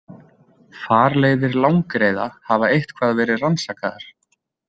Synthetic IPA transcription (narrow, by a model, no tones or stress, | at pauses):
faːɾleːjðɪɾlawŋkɾeːjða̰havaejht̪kʰv̥aːðvɛːɾɪðransaːkaða̰ɾ̥